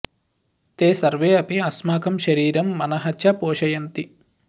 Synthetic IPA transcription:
t̪eːsɐɾʋeːɐpiɐsmaːkʰɐmʃɐɾiːɾɐmːɐnɐɦɐtːʃʰɐpoːʃɐjɐnt̪i

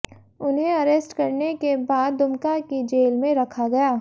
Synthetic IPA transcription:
ʊnɦẽɐɾeːsʈkɐɾnekebaːd̪ːʊmkakid͡ʒeːlmẽɾɐkʰaɡɐjaː

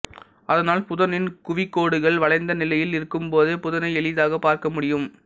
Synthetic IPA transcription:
ɐðɐnaːlpʊðɐnɪnkʊʋɪkːoːɽɯɣɐɭʋɐɭɐɪnd̪ɐnɪlɐjɪlɪɾɯkːɯmpoːðɯpʊðɐnɐɪɛɭɪðaːɣɐpːaːɾkɐmʊɽɪjɯm

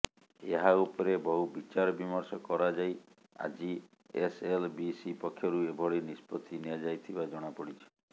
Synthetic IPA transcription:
eɦaupɔɾebɔɦubit͡ʃaɾɔbimɔɾsɔkɔɾad͡ʒaj | a̰d͡ʒi | eselbisipɔkʰːjɔɾuebʱɔɽinispɔt̪ʰiniad͡ʒajt̪ʰibad͡ʒɔɽ̃apɔɽit͡ʃʰɔ̥

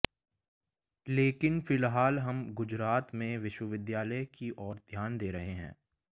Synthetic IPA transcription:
leːkɪnfɪlɦaːlɦɐmɡʊd͡ʒɾaːt̪mẽʋɪʃwəʋɪd̪jaːləjkiʔɔːɾd̪ʱjaːnd̪eːɾɐɦeɦɛ̰̃ː

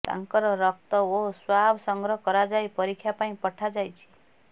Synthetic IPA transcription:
t̪a̰ŋkɔɾɔɾɔk̚t̪ɔoswabʱsɔŋɡɾɔɦkɔɾad͡ʒajpɔɾikʰjapaĩpɔʈʰad͡ʒajt͡ʃʰi̥

